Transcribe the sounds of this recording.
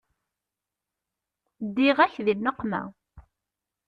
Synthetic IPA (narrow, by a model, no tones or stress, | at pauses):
d̪ːiʁæçðinnəqːmæ̰